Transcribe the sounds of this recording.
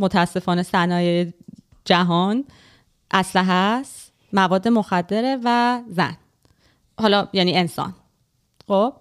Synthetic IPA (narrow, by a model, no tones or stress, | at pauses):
mot̪ʰææsːe̞fɒːne̞sænɒːjeje | d͡ʒæɦɒːn | ʔæslæɦæs | mævɒːd̪ːe̞moxæd̪ːe̞ɾevæzæ̰n | hɒlɒjæniːe̞nsɒ̰n | xob̥